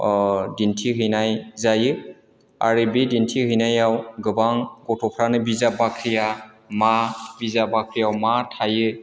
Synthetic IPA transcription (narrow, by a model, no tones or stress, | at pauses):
dintʰiɦɯjnajzajɯ | a̰ɾɯbidintʰihɯjnajawɡɯbaŋɡɔtʰɔpʰɾanɯbizabakʰɾija | mabizabakʰɾijawmatʰajɯ